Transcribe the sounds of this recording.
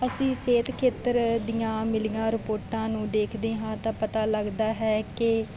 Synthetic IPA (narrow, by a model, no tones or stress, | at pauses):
əsĩːseːt̪ʰkʰeːt̪əɾd̪ijãːmɪlijãːɾɪpoːɾʈãːnũːd̪eːkʰd̪eːɦãːt̪ãːpət̪aːləɡd̪aːɦɛːkɪ